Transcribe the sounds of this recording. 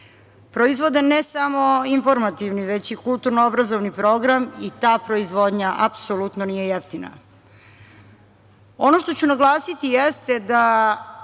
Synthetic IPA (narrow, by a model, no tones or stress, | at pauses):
pɾoizʋo̞d̪enesamo̞info̞ɾmat̪iʋniʋe̞t͡ɕikulˠt̪uɾnoobɾazo̞ʋnipɾo̞ɡɾamit̪aːpɾo̞izʋo̞d̪ɲaʔapsolut̪nonijejeft̪ina̰ | o̞no̞ʃt̪o̞t͡ɕunaɡlˠaːsit̪ijest̪ed̪a